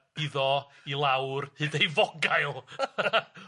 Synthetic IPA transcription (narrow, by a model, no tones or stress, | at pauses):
ɪðɔ | ilˠawrhɨːdejvɔɡajlˠ